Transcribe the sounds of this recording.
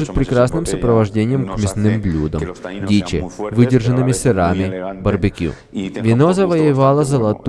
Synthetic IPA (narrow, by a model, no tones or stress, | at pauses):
ʐɨt̪̚ʲpɾʲɪkɾasnɨmsɐpɾəvɐʐdʲenʲɪjəmkmʲɪsnɨmblʲud̪əmdʲit͡ɕɪ̰vɨdʲɪrʐənːɨmʲɪsɨɾamʲɪbɐrbɨkʲṵ | vʲɪnozɐvɐjɪvalˠəzɐlˠɐt̪